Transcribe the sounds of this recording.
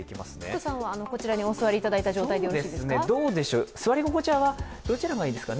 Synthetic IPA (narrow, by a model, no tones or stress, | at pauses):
eikʲima̰sɨ̥nḛt̪osãɰ̃βaːno̞ko̞t͡ɕiɾaɲ̟io̞sɨβaɾʲiːt̪ad̪ait̪aʑo̞ːt̪aid̪eosɨned̪o̞ːd̪e̞ɕoːsɨβaɾʲiɡo̞ko̞t͡ɕaβa | d̪̥o̞t͡ɕiɾaɡaiːd̪esɨ̥kan